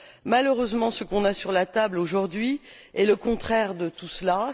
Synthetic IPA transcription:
maløʁøzmɑ̃səkɔ̃nasyʁlat̪abloʒuʁd̪ɥi | ɛləkɔ̃t̪χɛʁd̪ət̪usla

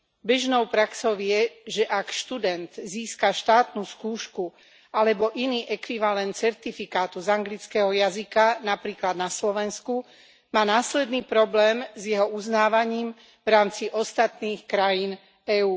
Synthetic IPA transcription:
bɛʒnɔʊpɾaksɔʊɪɛʒɛʔakʃt̪ud̪ɛnd̪ziːskaʃt̪aːt̪nuskuːʃku | alɛbɔʔiniːʔɛkʋiʋalɛnt̪̚t͡sɛɾt̪ifikaːt̪uzaŋɡlit͡skɛɦɔjazikanapɾiːklad̪naslɔʋɛnsku | maːnaːslɛd̪niːpɾɔblɛːmzjɛɦɔuznaːʋaɲiːm | vɾaːmt͡siʔɔst̪at̪niːxkɾajin | ɛuː

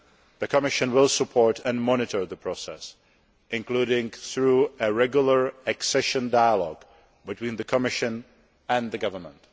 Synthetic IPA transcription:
ðɨkʰəmɪʃɨ̃nwɪlˠsəpʰɔɹtɨ̃nmɑnɨtə˞ðəpʰɹ̥osɛ̰s | ɪ̃nkl̥uɾɪ̃ŋθɹuɨɹɛɡjl̩ˠə˞ɨksɛʃɨ̃ndaɪəlɔɡ | bɨtʰw̥ĩːnðɨkʰəmɪʃɨ̃n | ɨ̃nðɨɡʌvə˞mə̰̃nt

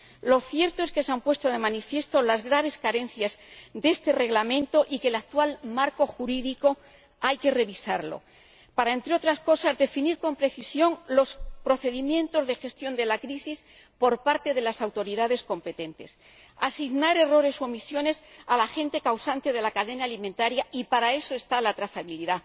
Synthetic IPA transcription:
lo̞θje̞ɾt̪o̞e̞ske̞seampwe̞st̪oðe̞manifje̞st̪o̞lazɣɾaβ̞e̞skaɾe̞nθjazd̪e̞st̪e̞re̞ɣlamẽ̞nt̪oʔikelak̚t̪walmaɾko̞xuɾiðiko̞ | ajke̞re̞βisaɾlo̞̰ | paɾae̞nt̪ɾeo̞t̪ɾasko̞sazðe̞finiɾko̞mpɾe̞θisjo̞ŋlo̞spɾo̞θe̞ðimjẽ̞nt̪o̞zðe̞xe̞st̪jo̞nd̪e̞lakɾisis | po̞ɾpaɾt̪e̞ðe̞lasawt̪o̞ɾiðaðe̞sko̞mpe̞t̪e̞nt̪e̞̰s | asiɣnaɾe̞ro̞ɾe̞soomisjo̞ne̞salaxẽ̞nt̪e̞kawsant̪e̞ð̞e̞lakaðe̞naːlimẽnt̪aɾjaʔipaɾae̞so̞e̞st̪alat̪ɾaθaβiliða

